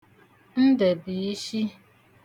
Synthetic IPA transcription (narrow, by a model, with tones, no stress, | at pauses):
n̩˦de˨bi˨i˦ʃi˦